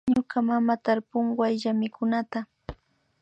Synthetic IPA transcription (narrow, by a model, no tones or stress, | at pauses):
ɲʊkamamat̪aɾpʊɴwajʎamɪkʊnat̪a